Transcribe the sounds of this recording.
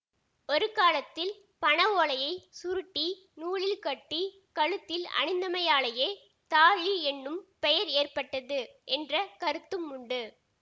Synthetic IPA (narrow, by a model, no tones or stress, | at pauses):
ɔɾɯkaːlɐt̪ːɪl | pɐɳɐʋoːɭɐjɐɪsʊɾɯʈːi | nuːɭɪlkɐʈːi | kɐɻɯt̪ːɪlɐ̰ɳɪnd̪ɐmɐjaːɭɐjeː | t̪aːɻiɛnːɯmpɛjɐɾeːrpɐʈːɐðɯʔɛndrɐkɐɾɯt̪ːɯmːʊɳɖɯ